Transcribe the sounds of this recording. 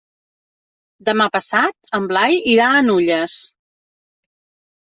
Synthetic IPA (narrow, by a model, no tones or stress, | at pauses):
d̪əmapəsat̪̚əmblajiɾaənuʎəs